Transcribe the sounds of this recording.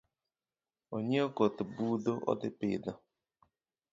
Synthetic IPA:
oɲeokotʊbudoʔɔ̰dɪpɪ̰dɔ

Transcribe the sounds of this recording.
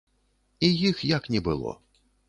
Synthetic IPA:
ijixjaknʲɛbɨlˠɔ̰

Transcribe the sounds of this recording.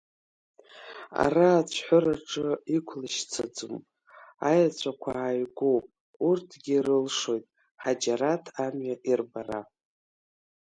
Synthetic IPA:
a̰raːt͡ɕʷʰħʷʊɾaʈ͡ʂʼɨikʷʰlɨʃt͡sʰad͡zɨm | ajat͡ɕʷʰʼakʷʰaajɡʷopʼ | urtʰɡʲiɾɨlʂo̞jtʼ | ħad͡ʒaɾatʰamɥaʔirbara̰

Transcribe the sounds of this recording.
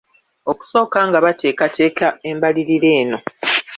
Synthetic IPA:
o̞ku̥so̞ːkaːŋɡaβatʰe̞ːkatʰe̞ːkʰae̞mbaliɾiɾe̞ːno̞

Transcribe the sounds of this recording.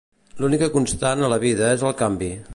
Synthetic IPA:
lunikəkunst̪anələβ̞iðəezəlˠkambi

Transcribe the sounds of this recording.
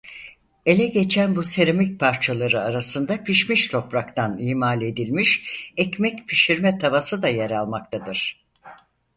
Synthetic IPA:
e̞lʲɛɡe̞t͡ʃʰænbuse̞ɾemic̚pʰaɾt͡ʃʰalˠaɾɯaɾasɯnd̪apʰiʃmiʃt̪ʰo̞pɾakt̪ʰaniːmalʲe̞d̪ilʲmiʃɛcmɛcpʰiʃiɾmɛt̪ʰavasɯd̪ajeɾalˠmak̚t̪ʰad̪ɯɾ̥

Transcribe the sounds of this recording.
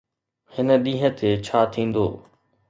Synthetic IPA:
hɪnə̆ɗĩːɦə̆t̪ʰet͡ɕʰaːt̪ʰĩːn̆d̪o̰ː

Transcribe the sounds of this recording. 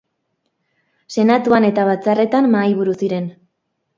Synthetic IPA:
se̞nat̪uane̞t̪aβat͡sare̞t̪amːajβ̞uɾusiɾe̞n

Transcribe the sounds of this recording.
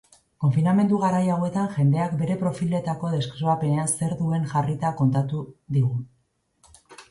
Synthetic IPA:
ko̞ɱfiname̞nd̪uɣaɾajawe̞t̪aŋʝe̞nd̪e̞akbe̞ɾe̞pɾo̞file̞t̪ako̞ðe̞skɾoape̞ne̞anse̞ɾðue̞ŋʝarit̪ako̞nt̪at̪uðiɣu

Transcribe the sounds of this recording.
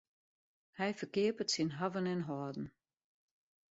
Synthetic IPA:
hɛjfəkɪəpətsinɦavənɪnɦɔːdn̩

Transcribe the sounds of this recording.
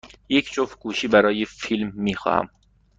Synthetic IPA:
jecʰt͡ʃʰofɡ̥uːʃiːbæɾɒːjefilmːiːxɒ̰ːhæ̰m

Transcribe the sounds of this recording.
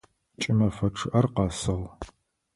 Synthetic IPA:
t͡ʃʼɪmɐfɐʈ͡ʂʰɨʔɐrqɑːsɨʁ

